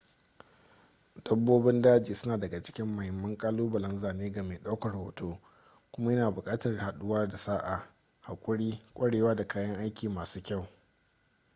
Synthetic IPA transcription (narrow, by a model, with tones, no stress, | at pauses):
d̥ɐ˦bːoː˦bɪ˦ndaː˦d͡ʒiː˨sʊ˦naː˨dɐ˨ɡa˨t͡ʃɪ̥˦kʲɪ˦mːɐ˨hɪ˨mːɐ˦ŋkʼaː˦luː˦bɐ˨lɐ˦nzaː˨neː˦ɡa˨meː˨ɗa˦wkɐ˨rhoː˨toː˦ | kʷʊ˦ma˦jɐ˦naː˨bʊ˨kʼaː˦tɐ˨rha˨ɗʊ˦waː˦da˨saː˦ʔa˨ | ha˨kʷʼʊ˦ɽiː˦kʷʼɐ˦ɽeː˨waː˦da˨kaː˦jɐ˦ŋʔa˦jkʲiː˨maː˨suː˦kʲa˦˨w